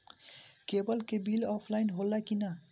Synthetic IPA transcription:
kebʌlkebilɔpʰlajnɦolːakina

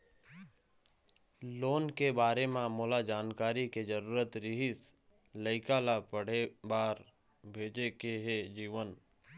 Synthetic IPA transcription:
loːnkebaːɾemãmʊːlad͡ʒaːnkaːɾiked͡ʒəɾuːɾət̪ɾɪɦɪs | ləɪkalapəɽ̤ebaːɾ | bʱeːd͡ʒekeɦed͡ʒiːʋən

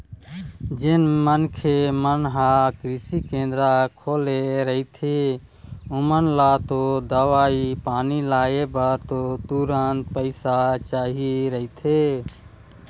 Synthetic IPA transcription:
d͡ʒenmənkʰemənɦakɾisikẽnd̪ɾakʰoleɾəit̪ʰe | umənlat̪od̪əʋaipaːnilaebəɾt̪ot̪uɾənt̪̚pəɪsat͡ʃaːɦiɾəɦit̪ʰe

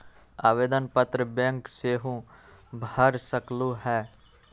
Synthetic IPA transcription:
a̰ːʋeːd̪ənpət̪ɾəbẽŋkseːɦũ | bʱəɾsəklũɦɛː

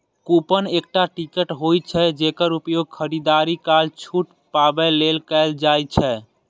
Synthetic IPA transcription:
kupənek̚ʈaʈikəʈɦojt͡ʃʰɛd͡ʒekəɾupjoɡ̚kʰəɾid̪aɾikalt͡ʃʰuʈ | pabɛlelkɛld͡ʒajt͡ʃʰɛ

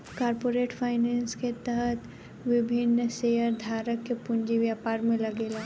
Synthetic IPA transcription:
kaːɾpoːɾeːʈfʰaːɪnɛ̃ːnsket̪əɦət̪ʰ | ʋɪbʱɪnːsejəɾd̪ʱaːɾəkːepʊnd͡ʒiʋjaːpaːɾmẽlɐɡeːlaː

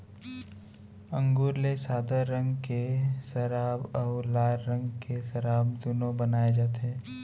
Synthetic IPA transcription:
ə̃ŋɡuːɾlesaːd̪əɾːə̃ŋɡkesɐɾaːbɔːlaːɾːə̃ŋɡkesɐɾaːbd̪unõbənaːed͡ʒaːt̪eɦɛː

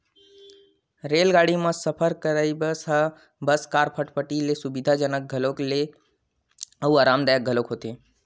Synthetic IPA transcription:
ɾeːlɡaɽimãsəpʰəɾkəɾaibəsɦa | bəskaːɾpʰəʈpəʈilesʊbid̪ʱad͡ʒənək̚ɡʱəlokle | əuaːɾaːmd̪ajak̚ɡʱəlokɦoːt̪e

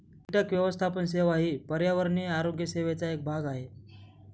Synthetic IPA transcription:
iʈjakʋjəʋəst̪ʰapənseʋaɦiːpəɾjaʋəɾɳiaɾoɡjəseʋet͡saek̚bʱaɡaɦe

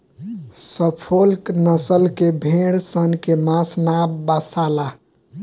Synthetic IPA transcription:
səpʰolknəsəlkebʱeɽsənkemãsnabbasala

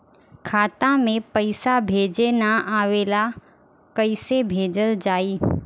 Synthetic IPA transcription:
kʰaːt̪ãmẽpəɪsabʱeːd͡ʒenaaːʋeːla | kəɪsebʱeːd͡ʒəld͡ʒaːiː

